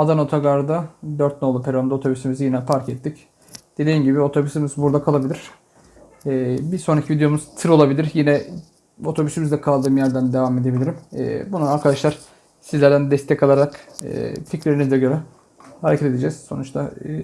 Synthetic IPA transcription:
ad̪ano̞t̪ʰaɡaɾd̪ad̪øɾt̪̚nolˠupʰeɾʲond̪ao̞t̪ʰo̞bysimizijinɛpʰaɾcɛt̪ʰːic | d̪̥e̞d̪iːmɟibio̞t̪ʰo̞bysimizbuɾd̪akʰalˠabiiɾ̥ | bisoɾacʰivid̪jo̞muzt̪ʰɯɾo̞lˠabilʲiɾjinɛ | o̞t̪ʰo̞bysimizd̪ɛkʰalˠd̪ɯːmjæɾd̪ænd̪e̞vame̞d̪ebilʲiɾim̰ːbunːˠaaɾkʰad̪aʃlˠaɾ̥ | sizlʲæɾd̪ænd̪ɛst̪ʰɛkʰːalˠaɾakɯ̰ːpt̪ʰʲiclʲeɾinizd̪ɛɟø̞ɾɛ | haɾecʰet̪e̞d̪ed͡ʒɛz̥so̞nut͡ʃt̪ʰa

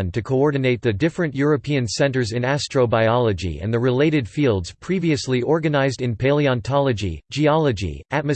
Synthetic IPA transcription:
ntʰɨkʰoʊɔɹdⁿn̩eɪt̪̚ðɨdɪfɹɨ̃nʔjʊɹɨpʰiɨ̃nsɛ̃ntə˞zɨ̃næstɹ̥oʊbaɪɑlˠəd͡ʒḭɨ̰̃nðɨɹɨleɪɾɨd̥filˠdz̥pʰɹ̥iviɨsliʔɔɹɡɨnaɪzdɨ̃npʰeɪlˠiɑ̃ntʰɑlˠɨd͡ʒḭd͡ʒiɑlˠəd͡ʒḭʔæt̚mɨ

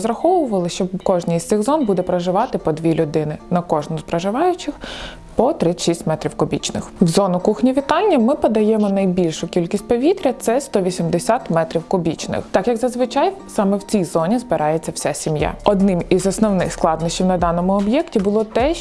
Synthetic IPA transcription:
zɾɐxɔʋʊʋɐlˠɪʃt͡ʃɔkɔʒnijst̪ɪxzɔnbud̪ɛpɾɐʒɪʋɑt̪ɪpɔd̪ʋʲilʲʊd̪ɪnɪnɐkɔʒnʊspɾɐʒɪʋɑjʊt͡ʃɪx | pɔt̪ɾɪʃisʲtʲmɛt̪ɾʲiwkʊbʲḭt͡ʃnɪ̰xwzɔnʊkuxnʲiʋʲit̪ɑnʲːɐmɪpɐd̪ɐjɛmɔnɐjbʲilʲʃʊkʲilʲkʲisʲt̚ʲpɔʋʲit̪ɾʲɐt̪sɛst̪ɔʋʲisʲimd̪esʲat̪mɛt̪ɾʲiwkʊbʲit͡ʃnɪ̰xt̪ɑkjɐɡzɐzʋɪt͡ʃɑjsɑmɛwt͡sʲijzɔnʲizbɪɾʔɑjet͡sʲːɐwsʲɛsʲimja̰ɔd̪nɪmizɔsnɔwnɪxsklˠɑd̪nɐʃt͡ʃiwnɐd̪ɑnɔmʊɔbjɛktʲibʊlˠɔt̪ɛ

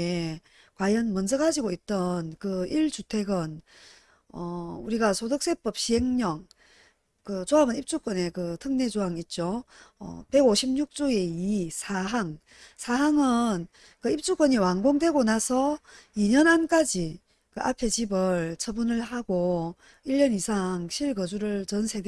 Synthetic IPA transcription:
e | kwajʌnmʌnd͡ʑʌɡad͡ʑiɡoit̚t͈ʌnkɯiɭt͡ɕutʰe̞ɡʌn | ʌuɾiɡasʰodɯk̚s͈e̞p͈ʌp̚ɕiɦe̞ŋɲʌŋ | kɯt͡ɕoabɯnip̚t͡ɕ͈uk͈ʌne̞kɯtʰɯŋne̞d͡ʑoɦaŋit̚t͡ɕ͈oʌ̰pe̞ɡoɕʰimɲuk̚t͡ɕ͈oe̞isʰaɦaŋ | sʰaɦaŋɯn | kɯip̚t͡ɕ͈uk͈ʌɲiwaŋɡoŋdwe̞ɡonasʰʌiɲʌnank͈ad͡ʑi | kɯʔa̰pʰe̞t͡ɕibɯɭt͡ɕʰʌbunɯɭɦaɡo | iʎːʌnisʰaŋɕʰiɭɡʌd͡ʑuɾɯɭt͡ɕʌnsʰe̞d

